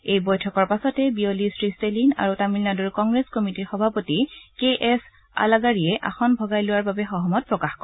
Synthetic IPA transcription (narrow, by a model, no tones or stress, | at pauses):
ejbɔjtʰɔkɔɹpasɔtɛbiolistɹistelina̰ɹutamilnadɔɹkɔŋɡɹeskɔmitiɹxɔbʱapotikeʔɛs | a̰laɡaɹiɛʔa̰xɔnbʱɔɡajlʊwaɹbabɛxɔɦɔmɔt̚pɹɔkaxkɔ